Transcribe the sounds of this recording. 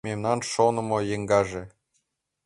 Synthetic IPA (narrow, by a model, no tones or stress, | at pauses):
memnɑnʃonɤ̆mɤ̆jeŋɡɑʒe